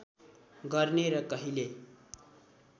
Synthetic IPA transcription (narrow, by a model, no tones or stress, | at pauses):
ɡʌrneɾʌkʌɦile